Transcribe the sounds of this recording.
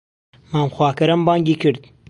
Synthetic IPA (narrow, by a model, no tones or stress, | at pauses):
maːmxwɑːkɐɾɐmbɑːŋɡikəɾd̪̚